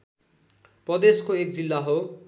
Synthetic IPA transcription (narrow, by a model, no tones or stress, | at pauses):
prʌd̪eskoek̚d͡zilːaɦo